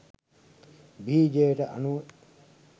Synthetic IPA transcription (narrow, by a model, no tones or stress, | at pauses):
biːd͡ʒeːʈəʔɐ̰nu